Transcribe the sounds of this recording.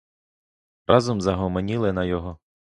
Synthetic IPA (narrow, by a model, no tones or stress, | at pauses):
rɑzɔmzɐɦɔmɔnʲilˠɪnɐjɔɦɔ